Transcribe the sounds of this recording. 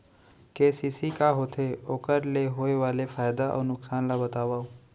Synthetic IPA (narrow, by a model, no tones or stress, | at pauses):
keːsiːsikaɦoːt̪ʰeoːkəɾleɦoːeʋaːlefaːjd̪aʔɔ̰ːɾnʊksaːnlabɐt̪aːʋaːoː